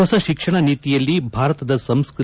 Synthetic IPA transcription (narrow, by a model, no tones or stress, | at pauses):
ɔsɐʃikʂɐɳɐniːt̪ijɐlːibʱaːɾɐt̪ɐd̪ɐsɐmskɾ